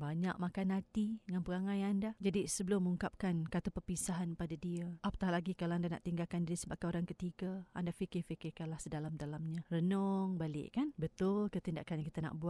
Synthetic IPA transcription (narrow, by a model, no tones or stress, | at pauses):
baɲa̰ʔ̚makanɦat̪iəŋanpəɣaŋajandad͡ʒadisəbəlʊmːəuŋkap̚kankat̪upərpisaɦanpadadiəʔap̚t̪alaɡikaloandana̰ʔt̪iŋɡalkandiɾisəbap̚kaoɾaŋkət̪iɡaandafikɪfikɪkanlahsədalamdalamɲãrənɔŋbalɪ̰ʔkanbət̪ʊlkət̪inda̰ʔkanakit̪əna̰ʔbua